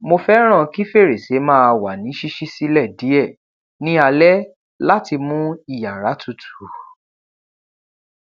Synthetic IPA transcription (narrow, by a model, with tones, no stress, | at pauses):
mo˧fɛ˦ɾ̃ã˦˨ki˦fe˦˨ɾe˨se˨˦mãː˦˧wa˨nĩ˨˦ʃi˦ʃi˦si˦lɛ˦˨di˨˦ɛ˦˨ | nĩ˦a˧lɛ˦ | la˦ti˧mũ˦i˦˨ja˨ɾa˨˦tʰu˦˨tʰu̥˨˦